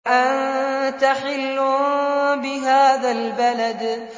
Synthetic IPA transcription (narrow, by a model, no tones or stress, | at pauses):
ʔant̪aħɪlːʊbɪɦaːðalbalad̪